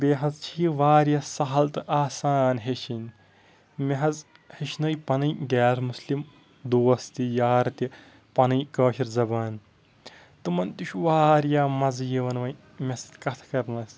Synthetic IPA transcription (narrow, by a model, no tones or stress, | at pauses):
bʲeːɦɐzt͡ʃʰiiʋaːɾjasɐɦɐlt̪ɨʔaːsaːnɦeʃʰinʲ | meɦɐz | heʃnɐjpɐnɨjɡɛːɾmuslim | d̪oːɐst̪ijaːɾt̪i | pɐnɨjkɐːʃiɾzɐbaːn | t̪ɨmɐnt̪iʃuʋaːɾjaːmɐzjiʋɐnʋɐj | mʲɐst̪ʲkɐt̪ʰkɐɾnɐs